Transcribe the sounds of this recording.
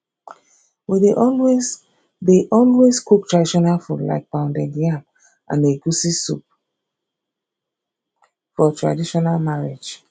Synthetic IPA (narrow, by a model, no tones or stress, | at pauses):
wideʔɔlwez | deʔɔlwezkʰuk̚tʰɹadiʃɔnalfutla̰ɪk̚bãʊ̃ndɛdiãm | ʔã̰neɡusisup̚ | fɔtʰɹa̰diʃɔnalmaɹe̥d͡ʒ